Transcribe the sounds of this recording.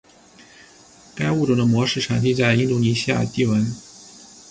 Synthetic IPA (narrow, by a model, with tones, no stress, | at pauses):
ka˥ɪu˥˩ʈ͡ʂo˨˩d̪ə˧mwɔ˧˥ʂɻ̩˥˩ʈ͡ʂʰa˧˥ŋt͡ɕi˥t͡sa˥˩ɪi˥nt̪u˧˥ni˧˥ɕi˥ja̰˥˧t̪i˥˩wə˧˥n